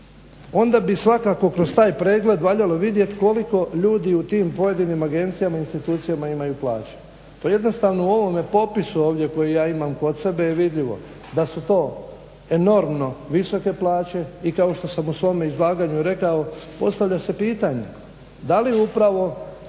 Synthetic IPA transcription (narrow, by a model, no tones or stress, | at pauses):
o̞nd̪abisʋakako̞kɾost̪aːjpɾeːɡle̞d̪ʋaːʎaloʋid̪je̞t̪ko̞liko̞ʎuːd̪iut̪iːmpo̞je̞d̪inimaɡe̞nt̪sijamainst̪it̪uːt̪sijamaimajuplaːt͡ɕe̥ | t̪oje̞d̪no̞st̪aːʋnouo̞ʋo̞mepo̞pisuo̞ːʋd̪je̞ko̞jijaːimamko̞d̪se̞be̞jeʋid̪ʎiʋo̞̰ | d̪asut̪o̞ː | e̞no̞ɾmno̞ʋiso̞ke̞plaːt͡ɕe̞ikao̞ʃt̪o̞samusʋo̞meizlˠaːɡaɲuɾe̞kaopo̞̰st̪aʋʎʲase̞piːt̪aɲḛ | d̪aliupɾaʋo̞